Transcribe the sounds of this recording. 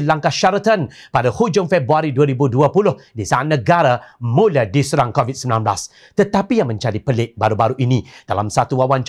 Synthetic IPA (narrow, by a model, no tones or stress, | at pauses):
laŋkaʃaɾət̪ən | padahud͡ʒʊŋfɛbɾuaɾiduəɾibuduəpulʊhdisaanəɡaɾamũliadisuɾaŋkovit̚səmlãnbla̰s | t̪ət̪apijaŋmə̃ɲd͡ʒadipəlɪk̚baɾubaɾuʔinĩd̥a̰la̰msat̪uwawant͡ʃ